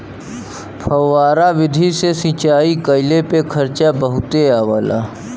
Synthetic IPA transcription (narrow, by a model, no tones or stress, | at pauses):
pʰəːaːɾaʋɪd̪ʱisesĩt͡ʃaːikəɪlepekʰəɾt͡ʃabəɦʊt̪eaːʋaːla̰